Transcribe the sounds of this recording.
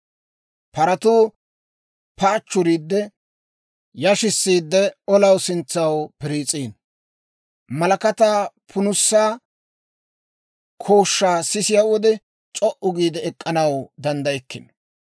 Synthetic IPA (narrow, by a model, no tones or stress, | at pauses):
pɐɾɐt̪uː | pɐːt͡ʃːʊɾiːd̪ːɛ | jɐʃɪsːiːd̪ːɛɔlɐwsɪnt͡sːɐwpɪɾiːt͡sʼiːn | mɐlɐkɐt̪aː | pʰʊnʊsːaː | kʰoːʃːaːsɪsɪjawɔd̪ɛ | t͡st͡ʃʼɔʔʊɡiːd̪ɛːkʼːɐnɐwd̪ɐnd̪ɐjɛkːɪ̰n